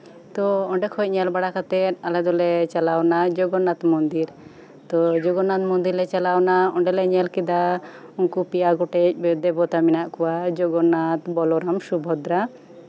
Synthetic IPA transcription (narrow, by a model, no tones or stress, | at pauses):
t̪ɔɔɳɖɛkʰɔc̚ɲɛlbaɽakat̪ɛt̪̚alɛd̪ɔlɛt͡ʃalawnad͡ʒɔɡɔnːat̪mɔnd̪iɾ | t̪ɔd͡ʒɔɡɔnːat̪̚mɔnd̪iɾlɛt͡ʃalawnaɔɳɖɛlɛɲɛlkid̪a | unkupijaɡɔʈɛc̚d̪ɛbɔt̪aminaʔkɔwad͡ʒɔɡɔnːat̪bɔlɔɾamʃubʱɔd̪ɾa